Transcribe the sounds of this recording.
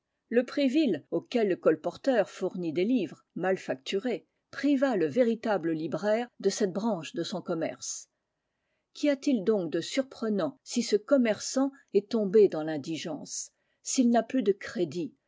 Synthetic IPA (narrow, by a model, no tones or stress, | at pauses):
ləpχivilokʲɛlːəkɔlpɔʁt̪œʁfuʁnid̪elivʁ | malfakt̪ʰyʁe | pχivaləveʁit̪abləlibʁɛːʁd̪əsɛt̪̚bʁɑ̃ʃd̪əsɔ̃kɔmɛ̰ʁs | kʲʰiat̪ild̪ɔ̃k̚d̪əsyʁpχənɑ̃sisəkɔmɛʁsɑ̃ɛt̪ɔ̃bed̪ɑ̃lɛ̃d̪iʒɑ̃ːsː | ilnaplyd̪əkχed̪i